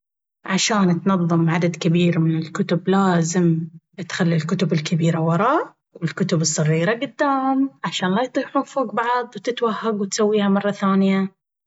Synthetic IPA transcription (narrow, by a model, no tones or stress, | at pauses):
ʕaʃaːnt̪nɑðˤːɨmʕad̪ad̪kɪbiːɾmɪnɪlkʊt̪ʊblaːzɪm | t̪xalːilkʊt̪ʊbɪlkɪbiːɾawɑɾˤɑːʔ | wɪlkʊt̪ʊbɨsˤːɨriːɾaɡʊd̪ːaːhʊmʕaʃaːnlaːjt̪ˤiːħuːnfoːɡbɑʕðˤwt̪ɪt̪wahːaɡwɪt̪sawːiːhamɑrˤːɑθaːnɪja